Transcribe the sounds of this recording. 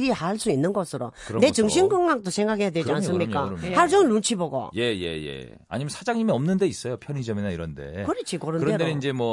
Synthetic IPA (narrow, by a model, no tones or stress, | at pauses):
ɾihaɭs͈uinːɯnɡʌsʰɯɾo̰ɯne̞t͡ɕɯŋɕ̬ʰinɡɯŋɡak̚t͈osʰe̞ŋɡakʰe̞jadwed͡ʑians͈ɯmɲik͈ahaɭd͡ʑonlunt͡ɕʰiboɡo̰je̞je̞̰jḛ | a̰ɲimjʌnsʰad͡ʑaŋɲimiʌmnɯnde̞is͈ʌjopʰjʌɲid͡ʑʌminaiɾʌnde̞̰kɯɾet͡ɕʰikʌɾɯnɾʌedeind͡ʑe̞mwʌ